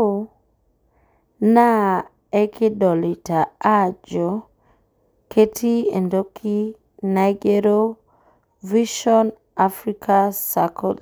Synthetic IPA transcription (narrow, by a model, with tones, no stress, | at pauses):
na˦ | e˦kʰɪ˦dɔ˨li˨ta˨a˦d͡ʒo˨ | kʰe˦tʰi˦e˨ndo˦kʰi˦ | na˨jɡe˦ɾo˦ | vi˦ʃɔ˦n | a˨fɾi˦kʰa˦sa˨kʰo̰˨l